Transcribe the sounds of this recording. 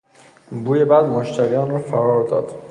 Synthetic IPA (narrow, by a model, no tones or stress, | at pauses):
buːjebæd̪moʃt̪ʰæɾijɒːnrɔːfæɾɒːɾd̪ɒ̰ːd̪̥